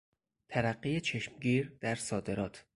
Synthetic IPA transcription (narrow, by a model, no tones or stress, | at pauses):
t̪ʰæɾæɢːijet͡ʃʰe̞ʃmɟiːɾd̪̥æɾsɒːd̪e̞ɾɒːt̪ʰ